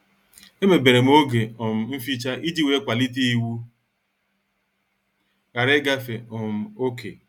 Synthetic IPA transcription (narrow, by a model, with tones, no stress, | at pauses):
e˦me˨be˨ɾe˨m̩˦o˦ɡe˨ɔ˨m̩˨m̩˦fi˦t͡ʃa˦ʔi˦d͡ʒi˦we˦kʷa˨li˦ti˦i˦wu˦ | ɣa˨ɾe˦ɡa˦fe˨ɔ˨m̩˦o˦ke˨